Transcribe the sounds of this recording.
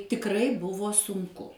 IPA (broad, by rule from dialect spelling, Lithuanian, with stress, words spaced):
tʲɪkˈrɐɪ ˈbʊʋoː sʊŋˈkʊ